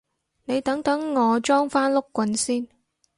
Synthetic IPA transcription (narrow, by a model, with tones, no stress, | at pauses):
ne˨˧jt̪ɐ˨˥ŋt̪ɐ˨˥ŋːɔː˨˧t͡ʃɔː˥ŋfaː˥nlʊ˥kːʷɐ˨˧nsiː˥n